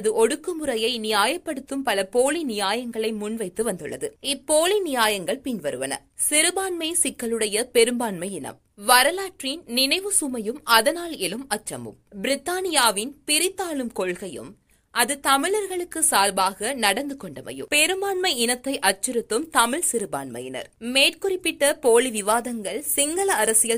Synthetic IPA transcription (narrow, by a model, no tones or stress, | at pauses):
ðɯʔɔɽɯkːɯmɯrɐjɐɪnɪjaːjɐpːɐɽɯt̪ːɯmpɐlɐpoːlinɪjaːjɐŋɡɐɭɐɪmʊnʋɐɪt̪ːɯʋɐnd̪ɯɭːɐðɯɪpːoːlinɪjaːjɐŋɡɐɭpɪnʋɐɾɯʋɐ̰nɐ̰ | sɪɾɯbaːnmɐɪsɪkːɐlɯɽɐjɐpɛɾɯmbaːnmɐɪɪnɐ̰m | ʋɐɾɐlaːʈrinnɪnɐɪʋɯsʊmɐjɯmɐðɐnaːlɪlɯmɐt͡ʃːɐ̰mɯ̰mbɪɾɪt̪ːaːnɪjaːʋɪnpɪɾɪt̪ːaːlɯmkɔɭɣɐjɯ̰m | ʔɐðɯt̪ɐmɪɭɐɾɣɐɭɯkːɯsaːlbaːɣɐnɐɽɐnd̪ɯkɔɳɖɐʋɐ̰jɯ̰mpɛɾɯmbaːnmɐɪɪnɐt̪ːɐɪʔɐt͡ʃːɪɾɯt̪ːɯmt̪ɐmɪɭsɪɾɯba̰ːnmɐ̰jɪnɐ̰ɾmeːʈkʊrɪpːɪʈːɐpoːɭiʋɪʋaːðɐŋɡɐɭsɪŋɡɐlɐːɾɐsɪjɐ